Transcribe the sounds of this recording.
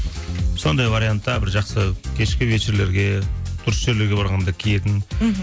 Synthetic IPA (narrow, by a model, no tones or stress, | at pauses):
so̞nd̪ɑjvaɾijant̪ːɑbɪɾʒɑqsəkʲʰe̞ʃkʲɪvet͡ʃeɾle̞ɾɡʲe̞t̪ʰʊɾəsʒe̞ɾle̞ɾɡʲe̞bɑɾʁɑnd̪ɑkʲʰije̞t̪ɪn